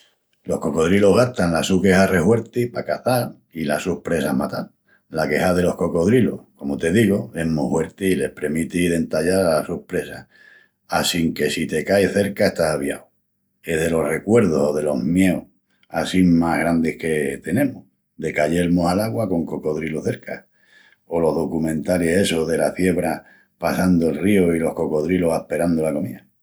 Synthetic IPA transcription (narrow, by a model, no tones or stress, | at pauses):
lo̞hko̞ko̞ðɾilo̞ɦɣaht̪anlasuke̞hare̞hwe̞ɾt̪ipakaθaɾ | ila̰suhpɾe̞samat̪al | lake̞haðe̞lo̞hko̞ko̞ðɾilo̞̰hko̞mot̪e̞ðiɣoe̞ɦmuhwe̞ɾt̪iile̞hpɾemit̪iðe̞nt̪aʎaɾalasuhpɾe̞sa̰ | asiŋke̞sit̪e̞kajθe̞ɾkae̞st̪asaβja̰w | e̞ðe̞lo̞hre̞kwe̞ɾð̞oso̞ðe̞lo̞ɦmje̞o | asimaɦɣ̞ɾand̪e̞hke̞t̪e̞nẽ̞moh | d̪e̞kaʎe̞ɾmosalaɣwako̞ŋko̞ko̞ðɾiloθe̞ɾka̰ | o̞lo̞ɦðo̞kumẽ̞nt̪aɾese̞soɦðe̞laθje̞βɾa | pasand̪oelrioilo̞hko̞ko̞ðɾilohahpe̞ɾand̪olako̞mia